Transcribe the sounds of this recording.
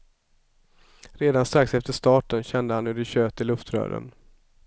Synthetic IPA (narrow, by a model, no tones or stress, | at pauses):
ɾeːd̪anst̪ɾaksɛft̪əʂt̪ɑːʈənɕɛnd̪əhanɵɖɪɕøːt̪ɪlːɵft̪ɾœ̰ːɾə̰n